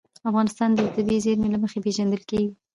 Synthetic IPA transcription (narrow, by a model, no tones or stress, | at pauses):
afɣɑnɪst̪ɑnd̪ət̪abizeɾmelaməxepeʒand̪əlkewi